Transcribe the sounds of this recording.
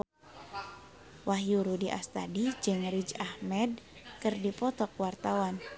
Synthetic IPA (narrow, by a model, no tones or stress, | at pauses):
waɦjuɾudiʔa̰st̪adid͡ʒɨŋrid͡ʒahmɛd̚ | kɨrdipɔt̪ɔk̚wart̪awan